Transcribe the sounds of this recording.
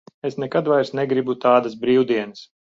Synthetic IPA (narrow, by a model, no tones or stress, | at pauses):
esnɛkad̪vajɾsnɛɡɾibut̪aːd̪as̬bɾiːwd̪iɛnəs